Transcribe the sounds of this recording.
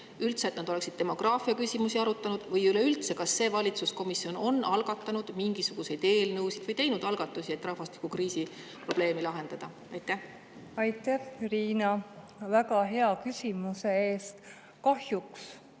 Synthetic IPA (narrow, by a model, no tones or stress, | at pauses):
ylt̪set̪nɑd̪o̞le̞ksid̪̥t̪ːe̞mo̞ɡ̥rɑːfiɑkysʲimusiɑɾut̪ːˑɑnud̪̥vɤjyleylt̪se̞kɑsːe̞ːvɑlʲit̪susko̞misio̞no̞nːɑlɡ̥ɑt̪ːˑɑnud̪̥miŋɡ̥isuɡ̥usejd̪e̞ːlnɤwsid̪̥vɤjt̪e̞jnud̪̥ɑlɡ̥ɑt̪ːˑusie̞t̪ːˑrɑhvɑst̪i̥kukriːsi | pro̞b̥le̞ːmilɑɦe̞nd̪̥ɑd̪̥ɑ | ɑjt̪ˑːæh | ɑjt̪ːˑæhriːnɑ | vækɑɦeɑkysʲimuseeːst̪ | kɑhjuks